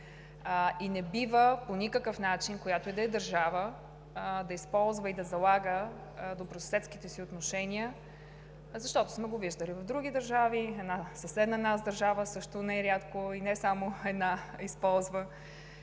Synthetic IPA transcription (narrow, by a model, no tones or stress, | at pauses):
inɛbivəponʲikəkəfnat͡ʃinkojat̪oid̪ɐɛd̪ɐɾʒavə | d̪ɐispɔlˠzvəid̪ɐzɐlˠaɡə | d̪opɾossɛt̪skit̪ɛsiot̪noʃɛniə | zɐʃt̪ɔt̪ʊ̥smɛɡoviʒd̪əlivɐvd̪ɾuɡ̟ʲid̪əɾʒaviɛd̪nasɐsɛd̪nɐnazd̪ɐɾʒavəsɤʃt̪onajɾʲjat̪koinɛsamoɛd̪naispɔlˠzvə